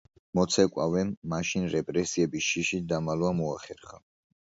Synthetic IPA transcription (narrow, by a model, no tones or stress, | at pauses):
mɔt̪sʰɛkʼwa̰vɛmːaʃinɾɛpʼɾɛsiɛbiʃiʃid̪amalvamɔaχɛɾχa